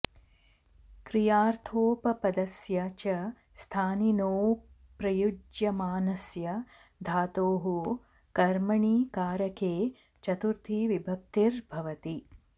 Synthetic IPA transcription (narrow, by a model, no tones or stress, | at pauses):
kɾijaːɾt̪ʰoːpɐpɐd̪ɐsjɐt͡ʃɐ | st̪ʰaːninoː | pɾɐjud͡ʒjɐmaːnɐsjɐ | d̪ʱaːt̪oːɦu | kɐɾmɐɳiːkaːɾɐkeː | t͡ʃɐt̪uɾt̪ʰiʋibʱɐp̚t̪iɾbʱɐʋɐt̪i